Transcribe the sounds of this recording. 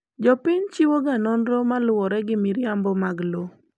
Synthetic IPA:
d͡ʒɔpɪɲt͡ʃiwoɡanɔnɾɔmalʊwɔɾɛɡɪmiɾjambɔmaɡlo

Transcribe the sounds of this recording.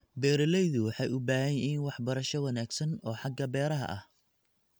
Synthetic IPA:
bɛːɾɪlɛjðʊwɑħɑjʔʊbaːhɐjɛiːnwɑħbɐɾɐʃɔwɐnaːɡsɐnɔːħɑɡɐbɛːɾɐɦɐ̰ʔɐ̰h

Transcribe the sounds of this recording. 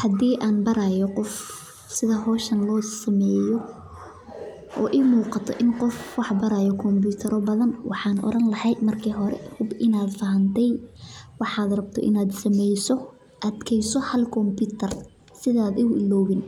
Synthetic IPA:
hɐd̪iːʔaːnbɐɾajɔqɔf | sɪðɐɦɔːʃɐnlɔːsɐmɛːjɔ | ʔɔ̰ːʔɪmuːqɑt̪ʰɔ̰ʔɪnqɔfwɑħbɐɾaːjɔkʰɔmbuːt̪ʰɐɾɔbɐðɐnwʔɑ̰ħɑːnʔɔ̰ɾɐnlɐhɛjmɐrkʰiːɦɔɾɛ̰hʊbʔɪnaːd̪fɐɦɐnt̪ʰɛjwɑħɑːd̪rɐb̚t̪ʰɔ̰ʔɪ̰naːd̪sɐmɛjsɔ | ʔɐd̪kʰɛjsɔhɐlkʰɔmbuːt̪ʰɐr | sɪðaːd̪ɪɣʊɪlɔːβɪn

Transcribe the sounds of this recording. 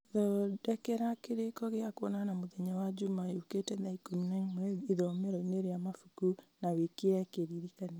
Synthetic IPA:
ðɔdɛkɛɾakeɾekɔɣeakwɔnanamoðɛɲawad͡ʒumaeoketɛðaikominainmɛiðɔmeɾɔineɾeamafukunawekeɛkeɾiɾikane

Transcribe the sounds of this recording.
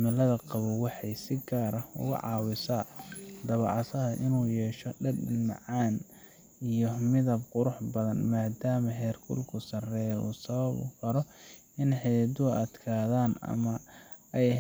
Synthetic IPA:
mɪlɐðɐqɑβʊwɑħɑjsɪɡaːɾɐʊ̰ɣʊ̰ʕɑ̰ːwɪsad̪ɐβɑʕɑsɐɦɐʔɪnuːjɛːʃɔɖɐdɪlmɑ̰ʕɑːn | ijɔmɪðɐbqʊɾʊħbɐðɐnmaːd̪aːmɐɦɛːrkʰʊ̰lkʰʊsɐrɛjṵːsɐβɐβʊ̰kʰɐɾɔ | ɪnħɛd̪ʊɐd̪kʰaːðaːnɐ̰mɐ | ɛj

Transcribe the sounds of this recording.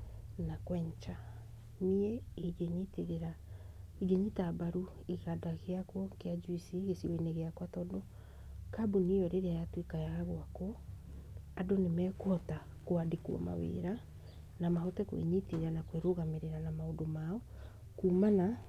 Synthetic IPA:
nakwɛːɲt͡ʃa | nieeɡeɲiteɾeɾa | iɡeɲitabaɾu | iɣadaɣeakwɔkead͡ʒwisiɣesiweneɣeakwatɔdo | kabunijɔɾeɾeajatwekajaɣaɣwakɔ | adonemɛːkɔta | koadikuɔ̰ma̰wḛːɾa | namaɦɔtɛkwḛɲiteɾeɾanakweɾoɣameɾeɾanamaodomaɔ | kuːmana

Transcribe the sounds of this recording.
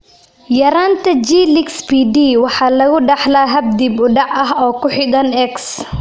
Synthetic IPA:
jɐɾaːnt̪ʰɐd͡ʒiːlɪkspʰiɖiːwɑħɑːlɐɣʊɖɑħlaːɦɐb̚d̪iːbʊɖɑʕɐɦɔːkʰʊħɪd̪ɐnɛks

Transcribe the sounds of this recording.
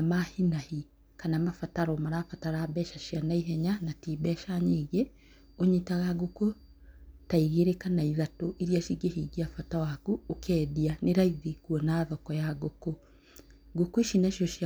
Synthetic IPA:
mahinahi | kanamafataɾɔmaɾaːfataɾaːbɛʃaʃjanaiɦɛɲanatibɛʃaɲeːɣe | oɲitaɣaɡoko | taiɣeɾekanaiðatoʔiɾiaʃiɡehiɡiafatawakuokʰɛːðianeɾaiðikwɔnaðɔkɔjaɡoko | ɡokoiʃinaʃiɔʃi

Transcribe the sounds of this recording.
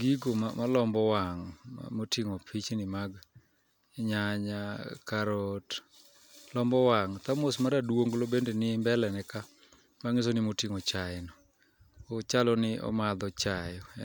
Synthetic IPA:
ɡiɡoma̰malɔmbɔwaŋ̰motiŋopʰit͡ʃnɪmaɡ | ɲaɲakaɾɔt | lɔmbɔwaŋt̪amosmaɾadwoŋɡlobendenɪmbɛlɛnɛka | maŋɪs̬onɪmotiŋot͡ʃajnɔ | ot͡ʃalɔnɪʔɔ̰mad̪ɔt͡ʃajɔɛ

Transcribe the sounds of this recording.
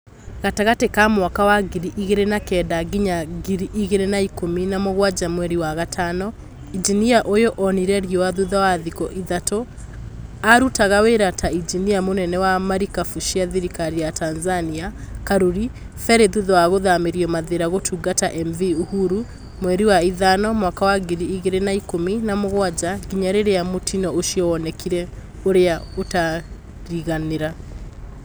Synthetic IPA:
ɣataɣatekamwakawaɡiɾiʔiɣeɾenakɛdaɡiɲaɡiɾiʔiɣeɾenaikominamoɣwad͡ʒamwɛɾiwaɣatʰanɔ | id͡ʒiniaʔojoʔɔniɾɛɾiɔwaðuðawaðikɔʔiðato | aɾutaɣaweɾataid͡ʒiniamonɛnɛwamaɾikafuʃiaðiɾikaɾiatanzaniakaɾoɾi | fɛɾeðuðɔwaɣoðameɾiɔmaðeɾaɣotʰuɡataʔɛmviuhuɾu | mwɛɾiwaiðanɔmwakawaɡeɾiiɣeɾenaikominamoɣwad͡ʑaɣiɲaɾeɾejamotʰinɔoʃiɔwɔnɛkʰiɾɛ | oɾeaota | ɾiɣaneɾa

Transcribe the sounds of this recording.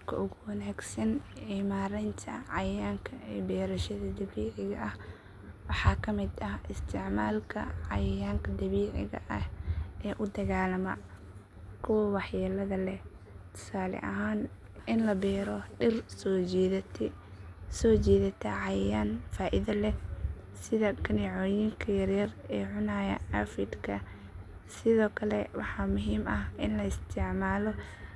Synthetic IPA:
kʰɐ̰ʔʊɣʊwɐnaːɡsɐnʕiːmaːɾɛnt̪ʰɐʕɑjaːŋkʰɐɛːbɛːɾɐʃɐðɐd̪ɐβiːʕɪɣɐʔɐh | wɑħɑːkʰɐmɪd̪ɐhʔɪst̪ʰɪʕmaːlkʰɐ̰ʕɑjɐjaːŋkʰɐd̪ɐβiːʕɪ̰ɣɐ̰ʔɐhʔɛːʔʊd̪ɐɣaːlɐmɐ̰ | kʰʊwɐwɑħjɐlɐðɐlɛ | t̪ʰʊ̥saːlɛ̰ʔɐ̰ɦaːn | ʔɪnlɐbɛːɾɔɖɪrsɔːd͡ʒɛːðɐt̪ʰ | sɔːt͡ʃɛːðɐt̪ʰɐʕɑjjanfaːʔɪðɐlɛ | sɪðɐkʰɐniʕɔːjiŋkʰɐjɐrjɐrɛːʕʊnaːjɐ̰ɐfɪd̪kʰɐ | sɪðɔːkʰɐlɛwɑħɑːmʊɦiːmɐhʔɪnlɐɪst̪ʰɪʕmaːlɔ

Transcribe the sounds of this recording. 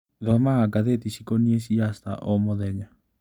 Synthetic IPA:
ðɔmaɣaɡaðet̪isikoniesiast̪a̰ʔomɔðɛɲa

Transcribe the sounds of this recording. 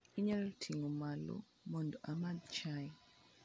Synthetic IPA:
iɲɛltʰiŋɔmalɔ̰ | mɔndɔʔamadt͡ʃa

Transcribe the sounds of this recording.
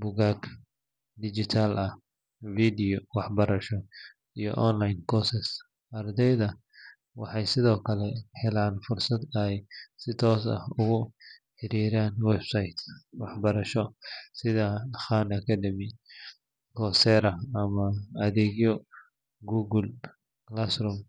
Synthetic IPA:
bʊɣaːk | d̪ɪd͡ʒɪt̪ʰalʔɐh | fiːd̪ɪjɔwɑħbɐɾɐʃɔ | ijɔ̰ʔɔnlajnkʰɔsɛs | ɐrd̪ɛjðɐ | wɑħɑjsɪðɔːkʰɐlɛhɛlaːnfʊrsɐd̪ɐjsɪt̪ʰɔːsɐ̰hʊɣʊħɪɾiːɾaːnwɛbsajt̪ʰwɑħbɐɾɐʃɔsɪðɐxaːnɐkʰɐɖɐmi | kʰɔːsɛːɾɐɐmɐɐðɛːɣjɔ | ɡuːɡʊl | lasɾʊm

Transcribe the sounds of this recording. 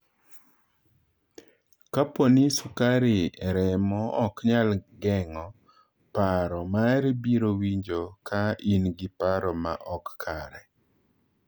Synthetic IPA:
kaponisukaɾiɛɾɛmɔːkɲalɡɛŋɔ | paɾɔmaɾibiɾowiɲd͡ʒokʰaʔinɡipaɾɔma̰ʔɔkːʰaɾɛ

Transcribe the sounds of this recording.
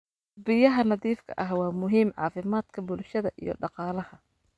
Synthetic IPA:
bɪjɐɦɐnɑðiːfkʰɐ̰ʔɐɦwɑːmʊɦiːmʕɑ̰ːfɪmaːd̪̥kʰɐbʊlʃɐðɐʔḭjɞ̰ɖɑqɑːlɐhɐ

